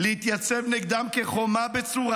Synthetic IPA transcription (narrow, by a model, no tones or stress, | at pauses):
lehit̪jat͡sevneɡd̪amkeχomabet͡suʁa